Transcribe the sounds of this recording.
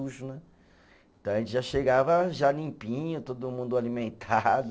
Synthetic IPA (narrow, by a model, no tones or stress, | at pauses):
uʃʊnɛ | ẽt̪ɐ̃w̃ɐʒẽnt͡ʃɪʒaʃeɡavɐʒalĩpĩɲʊt̪od̪ʊmũnd̪ʊalimẽnt̪ʰad̪ʊ